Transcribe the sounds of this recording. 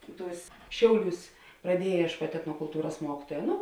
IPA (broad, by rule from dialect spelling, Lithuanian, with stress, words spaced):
ˈtuːs ˈʃʲɛʊˌlʲuːs prɐˈdʲiɛjɛ iɛʃˈkuɔtʲ ɛtnoːkʊlˠˈtuːrɐs ˈmuɔkʲɪtuɔjɛ ˈnʊ